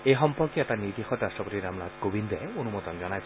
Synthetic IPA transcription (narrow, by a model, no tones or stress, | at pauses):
eɦɔmpɔɾkiat̪anid̪ixɔt̪ɾaʃʈɔpot̪iɾamlad̪kobind̪ʱɔaeonumod̪ɔnd͡ʒɔnajt̪ʰ